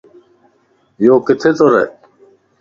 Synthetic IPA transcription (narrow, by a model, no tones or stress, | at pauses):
joːkit̪ʰet͡s̪oɾḛ